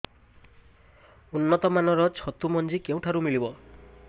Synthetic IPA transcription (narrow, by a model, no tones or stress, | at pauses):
unːɔt̪ɔmanɔɾɔt͡ʃʰɔt̪umɔnd͡ʒikew̃ʈʰaɾumilibɔ